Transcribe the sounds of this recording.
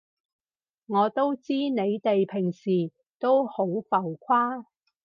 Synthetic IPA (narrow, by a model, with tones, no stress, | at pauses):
ŋɔː˨˧t̪o˥wt͡siː˥ne˨˧jt̪e˨jpʰɪ˨˩ŋsiː˨˩ | t̪o˥who˨˥wfɐ˨wkʷʰaː˥